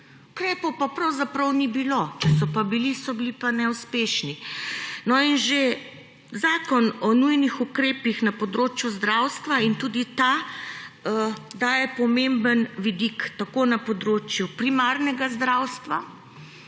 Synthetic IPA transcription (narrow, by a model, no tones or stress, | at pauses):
ukɾɛːpɔwpapɾɐwzapɾɐwnibilot͡ʃɛsɔpabilisɔbilipanɛuspeʃninɔinʒe | zaːkɔnɔnujnixukɾeːpixnapɔd̪ɾoːt͡ʃjuzd̪ɾawst̪ʋaint̪uːd̪it̪a | d̪aːjɛpɔmembənʋid̪ikt̪akoːnapɔd̪ɾoːt͡ʃjupɾimaːɾnɛɡazd̪ɾawst̪ʋa